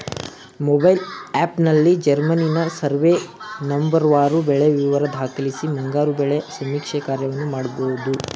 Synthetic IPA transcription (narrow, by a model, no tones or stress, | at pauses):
mɔbɐjlaːpnɐlːid͡ʒɐɾmɐninɐsɐɾʋenɐmbɐɾʋaːɾubɛɭeʋiʋɐɾɐd̪ʱaːkɐlisimɐŋɡaːɾubɛɭesɐmːiːkʂɛkaːɾjɐʋɐnːumaːɽɐbowud̪u